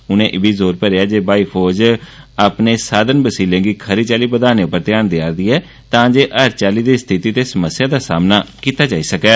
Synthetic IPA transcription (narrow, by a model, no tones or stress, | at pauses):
ʊnẽːʔɪbiːzoːɾpəɾeːaːd͡ʒeːbaːiːpʰoːd͡ʒ | aːpneːsaːd̪ənbəsiːlẽːɡiːkʰəɾiːt͡ʃaːliːbəd̪aːneːʊpːəɾt̪ɪjaːnd̪ɪjaːɾd̪iːɦɛː | t̪ãːd͡ʒeːʔəɾt͡ʃaːliːd̪iːst̪ʰɪt̪iːt̪eːsəməsjaːd̪aːsaːmnaːkiːt̪aːd͡ʒaːiːsəkɛː